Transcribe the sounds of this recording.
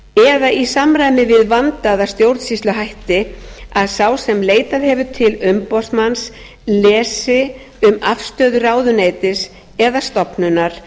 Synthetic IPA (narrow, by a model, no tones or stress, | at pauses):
ɛðaisamɾaːjmɪvɪðvant̪aðast̪jowɾt̪sist̪lʏɦajht̪ɪaðsawsɛmleːjt̪aðhɛvʏt̪ʰɪlʏmpɔsmans | lɛːsɪ | ʏmafst̪œːðʏraːwðʏneːjt̪ɪs | ɛðast̪ɔpnʏnaɾ̥